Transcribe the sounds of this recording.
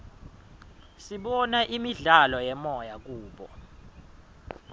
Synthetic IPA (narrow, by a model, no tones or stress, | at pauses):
siɓɔnaʔimiɮalɔjɛmɔjak̬uːɓɔ̰